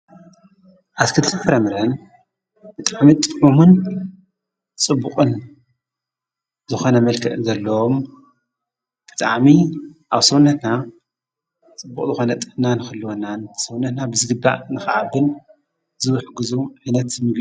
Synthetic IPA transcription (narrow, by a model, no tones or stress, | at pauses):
ʔatkʰɨt̪ʰɨfɐɾɐmɨɾɐn | b̥ɨt̪ʼaʕmit̪ʼɨmomun | t͡sʼɨbːuqʼɨn | zɨxo̞nɐmɐlkʰɐt̪ʼɨzɐlːɐwom | b̥ɨ̥t̪ʼa̰ʕmiʔaβsɐwunɐt̪na | t͡sʼɨbːukʼzɨxo̞nɐt̪ʼɨfnanɨxɨlːɨwonansɐwnɐt̪nabɨzɨɡɨbːa̰ʔnɨxʔabɨn | zɨwɨħɡɨzuʕɨnɐt̪ɨmɨɡ